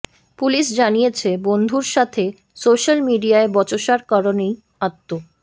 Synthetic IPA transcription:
puliʃd͡ʑanijet͡ɕʰebond̪ʱuɾʃat̪ʰe | soʃalmiɖiaebɔt͡ɕoʃaɾkaɾonej | at̪ːo

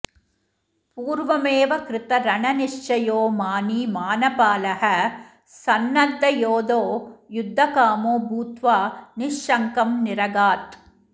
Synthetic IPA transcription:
puːɾʋɐmeːʋɐkɾɪt̪ɐɾɐɳɐniʂt͡ʃɐjoːmaːniːmaːnɐpaːlɐhɐ | sɐnːɐd̪ːɐjoːd̪oːjud̪ʱːɐkaːmoːbuːt̪ʋaːniʂʃɐŋkɐmnɪɾɐɡaːt̪

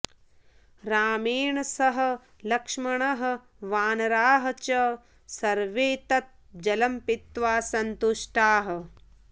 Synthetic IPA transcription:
ɾaːmeːɳɐsɐɦɐ̆ | lɐkʂmɐɳɐɦɐ̆ | ʋaːnɐɾaːɦɐ̆t͡ʃɐ | sɐɾʋeːt̪ɐt̪̚d͡ʒɐlɐmpit̪ʋaːsɐnt̪uʂʈaːɦɐ̆

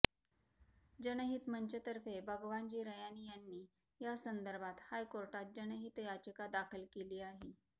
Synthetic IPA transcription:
d͡ʑənəɦit̪mənt͡ɕət̪əɾfebʱəɡʋant͡ɕiːɾəjanijanːiː | jasənd̪əɾbʱat̪hajkoɾʈat̪̚d͡ʑənəɦit̪jad͡ʑəkad̪akʰəlkeliːaɦe

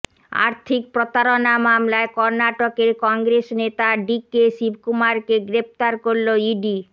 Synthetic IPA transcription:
a̰ɾt̪ʰik̚pɾot̪aɾonamamlaekɔɾnaʈokeɾkɔŋɡɾesnet̪aɖikeʃibʱkumaɾkeɡɾep̚t̪aɾkoɾloiɖi

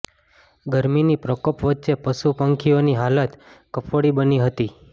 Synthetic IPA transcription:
ɡəɾminipɾəkopʋətːʃepəsupəŋkʰioniɦalət̪kəpʰoɽibəniɦət̪i

